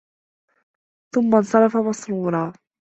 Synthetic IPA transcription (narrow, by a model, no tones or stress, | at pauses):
θʊmːansˤɑɾˤɑfamɑsˤɾuːɾˤɑː